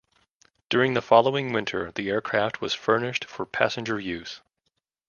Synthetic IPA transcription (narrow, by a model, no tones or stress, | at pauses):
d̥ʊɹɪ̃ŋðəfɑlˠoʊɪ̃ŋwɪ̃ntʰə̰˞ðiɛɹkʰɹ̥æft̚wʌz̥fɜ˞nɪʃtfə˞pʰæ̰sɨ̃n̩d͡ʒə˞jʉz̥